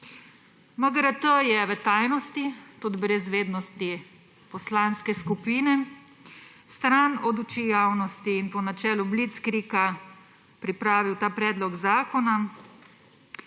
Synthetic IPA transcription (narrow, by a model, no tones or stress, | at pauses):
maɡɾat̪əjɛʋət̪aːjnɔst̪it̪ud̪bɾɛzʋeːd̪nɔst̪i | pɔslaːnskɛskupiːnɛ | st̪ɾanɔd̪ut͡ʃiːjawnɔst̪iːnpɔnat͡ʃɛːlublit̪skɾiːka | pɾipɾaːʋiwt̪aːpɾɛːd̪lɔɡzaːkɔna